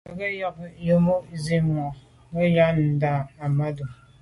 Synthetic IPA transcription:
a˨ɡə˦jɔ˦k̚jo˦mo˦zi˦mɔ˨ | mə˦ja˦n̩˨da˨a˨ma˦du˨

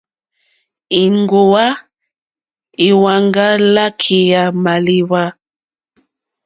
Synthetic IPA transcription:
i˨ŋɡo˨wa˦ | i˨wa˨ŋɡa˦la˦kʰi˨ja˨ma˨li˨wa˦

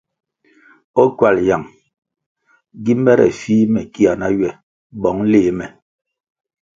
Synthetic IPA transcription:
ɔ˦kwa˨lja˨ŋ | ɡi˦mɛ˦ɾɛ̰˨fiː˦mɛ˨ki˦a˨na˦ɥɛ˨ | bɔ˨˦ŋ˦leː˦˨˦mɛ˨

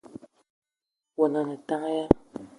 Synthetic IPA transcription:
wa˨na˨na˨tã˦ja˦

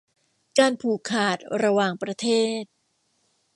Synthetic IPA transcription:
kaː˧npʰuː˨˩kʰaː˨˩t̪̚ɾa˧waː˨˩ŋpɾa˧t̪ʰeː˥˩t̪̚

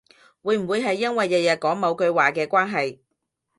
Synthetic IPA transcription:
wuː˨˧jm̩˨˩wuː˨˧jɦɐ˨jːɐ˥nwɐ˨jːɐ˨jɐ˨˩kɔː˨˥ŋmɐ˨˧wkɵ˧ɥwaː˨˩kɛː˧kʷaː˥nɦɐ˨j

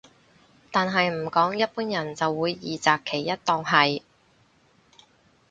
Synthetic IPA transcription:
t̪aː˨nɦɐ˨jm̩˨˩kɔː˨˥ŋjɐ˥t̚puː˥njɐ˨˩nt͡sɐ˨wːuː˨˧jːiː˨t͡saː˨kʰːe˨˩jːɐ˥t̚t̪ɔː˧ŋɦɐ˨j

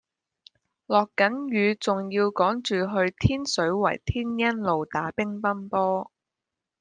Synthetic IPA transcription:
lɔː˨kːɐ˨˥njyː˨˧t͡sʊ˨ŋjiː˧wkɔː˨˥ŋt͡ʃyː˨ɦɵ˧ɥt̪ʰiː˥nsɵ˨˥ɥwɐ̰˨˩jt̪ʰiː˥njɐ˥nlo˨wt̪aː˨˥pɪ˥ŋpɐ˥npɔː˥

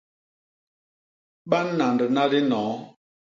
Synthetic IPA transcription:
ɓa˦nː˦a˨ndə˨na˦di˦nɔː˨˦

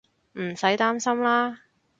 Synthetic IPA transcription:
m̩˨˩sɐ˨˥jt̪aː˥msɐ˥mlaː˥

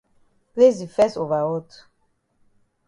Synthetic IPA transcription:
ple˦zi˨fɛ˦so˨va˨wɔ˦tu̥˨

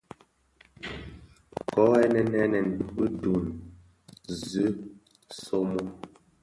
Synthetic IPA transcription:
kɔ˨˦ɛ˦nɛ˨nɛ˦nɛ˨n˨˦ɨ˦du˨n | zʉ˨˦ | so˦mo˦

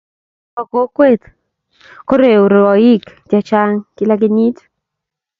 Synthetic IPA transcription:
ɔ˨ko˦kwe˦t̪ | ko˦ɾe˨o˨ɾe˨ɔ˨i˦kd͡ʒa˨t͡ʃa˦ŋkɪ˦la˦ɡɪ˦ɲi˦t

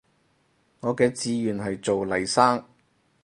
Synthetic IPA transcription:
ŋɔː˨˧kɛː˧t͡siː˨˧jyː˨nɦɐ˨jt͡so˨wlɐ˨˩jsaː˥ŋ

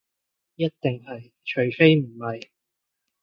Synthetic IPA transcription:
jɐ˥t̚t̪ɪ˨˩ŋɦɐ˨j | t͡ʃʰɵ˨˩ɥfe˥jm̩˨˩hɐ˨j

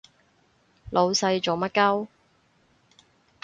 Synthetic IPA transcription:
lʔo˨˧wsɐ˧jt͡ʃo˨wmɐ˥t̚kɐ˥w

